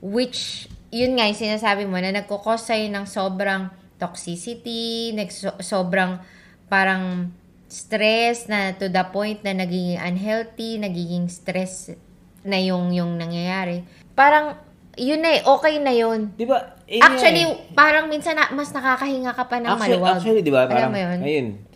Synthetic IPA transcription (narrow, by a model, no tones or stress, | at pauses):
wɪt͡ʃjʊnŋajʊŋsɪnaːsaːbɪmo̞nɐnɐɡ̚koko̞sɐjnɐŋso̞ːbɾɐŋ | t̪ok̚sisɪt̪inɐɡsso̞ːbɾɐŋ | paːɾɐŋ | st̪ɾɛsnɐt̪ʊd̪ɐpo̞jnt̪̚nɐnɐɡiːɡɪŋʔɐnɦɛlt̪inɐɡiːɡɪŋst̪ɾɛs | nɐjʊŋjʊŋnɐŋjɐjaːɾɛ | paːɾɐŋ | jʊnɛʔo̞ːkɛjnɐjo̞nd̪ɪbaakkt͡ʃʊwɐlipaːɾɐŋminsɐnɐmɐsnɐkaːkɐhɪŋakɐpɐnɐŋmɐlʊwɡt͡ʃt͡ʃɐlid̪ɪbaɐaɾmɐjonɐjon